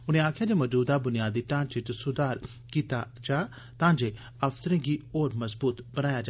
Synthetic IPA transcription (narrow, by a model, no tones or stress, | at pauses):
ʊnẽːaːkʰjaːd͡ʒeːməd͡ʒuːd̪abʊnijaːd̪iːʈãːt͡ʃɪt͡ʃsʊd̪aːɾ | kiːt̪a̰ | d͡ʒaː | t̪ãːd͡ʒeː | ɐfsəɾẽːɡiːoːɾmɐzbuːt̪bənaːjaːd͡ʒ